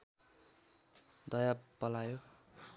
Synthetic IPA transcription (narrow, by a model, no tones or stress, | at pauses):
d̪ʌjapʌlajo